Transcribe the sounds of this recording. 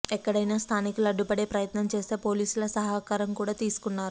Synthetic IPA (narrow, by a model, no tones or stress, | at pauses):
ɛkːɐɽɐjnaːst̪ʰaːnikulɐɖːupɐɽe̞ːpɾɐjɐt̪nɐmt͡ʃe̞ːse̞ːpo̞ːliːsulɐsɐɦaːkaːɾɐmkuːɽaːt̪iːsu̥kunːaːɾu